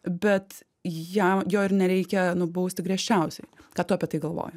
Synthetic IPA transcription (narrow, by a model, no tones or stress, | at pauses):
bʲɛt̪ | jɛmjoːɪɾnʲɛɾʲɛɪkʲɛnʊbɐʊsʲt̪ʲɪɡɾʲiɛʃʲt͡ʃʲɛʊsʲɛɪkɑːt̪ʊɐpʲiɛt̪ɐɪɡɐlˠʋo̰ːjʊ